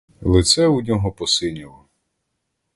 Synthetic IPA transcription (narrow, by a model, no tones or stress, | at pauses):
lˠɪt̪sɛudʲɔɦɔpɔsɪnʲilˠɔ